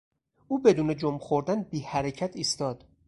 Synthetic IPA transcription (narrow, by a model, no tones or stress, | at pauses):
ʔuːbe̞d̪uːned͡ʒomxoɾd̪ænbiːhæɾecʰæt̪ʰiːst̪ɒːd̪̥